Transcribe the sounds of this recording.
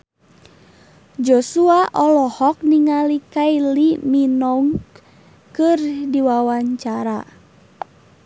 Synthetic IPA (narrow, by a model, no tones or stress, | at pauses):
d͡ʒɔsuaʔɔlɔhɔk̚niŋalikailiminɔŋ | kɨrdiwawaɲt͡ʃaɾa